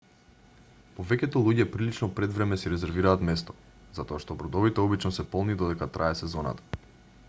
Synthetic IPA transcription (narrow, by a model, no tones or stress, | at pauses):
povɛcɛt̪olˠuɟɛpɾilit͡ʃnɔpɾɛd̪vɾɛmɛsiɾɛzɛɾviɾaːt̪mɛst̪ɔ̥ | zat̪ɔaʃt̪ɔbɾɔd̪ɔvit̪ɛɔbit͡ʃnɔsɛpɔlˠnid̪ɔd̪ɛkat̪ɾʔaɛsɛzɔna̰t̪ḁ